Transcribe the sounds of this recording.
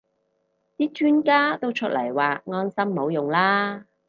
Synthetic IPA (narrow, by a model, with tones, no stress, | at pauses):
t̪iː˦˥t͡ʃʰyː˥nkaː˥t̪o˥wt͡ʃʰɵ˥t̚lɐ̰˨˩jwaː˨ŋɔː˥nsɐ˥mːo˨˧˥wjʊ˨ŋlaː˥